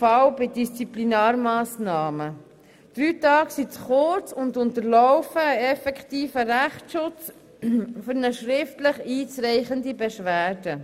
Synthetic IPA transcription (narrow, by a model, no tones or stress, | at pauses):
fawbɪdist͡siplinɑːɾmɑːsnɑːmə | d̥ɾyːtɑːksit͡sχʊɾt͡sʊndʊntəɾlɔwfəːɛfɛkχt̪iːfəɾæχtʃʊt͡s | fʏɾnəʃɾɪftləχiːt͡sɾɛɪχəndibɛʃʋæːɾd̥ə